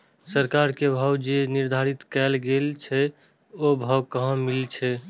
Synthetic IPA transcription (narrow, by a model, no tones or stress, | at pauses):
səɾkaɾkebʱəwd͡ʒeniɾd̪ʱaɾit̪kɛlɡelt͡ʃʰɛ | obʱəwkəɦə̃milt͡ʃʰɛ